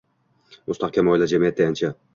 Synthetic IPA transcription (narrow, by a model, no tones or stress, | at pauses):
ʊst̪ɒqkʲamɒjlad͡ʒamijat̪̚d̪eant͡ʃʰa